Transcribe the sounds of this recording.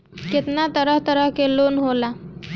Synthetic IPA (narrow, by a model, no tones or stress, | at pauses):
ket̪nat̪əɾəɦt̪əɾəɦkelonɦola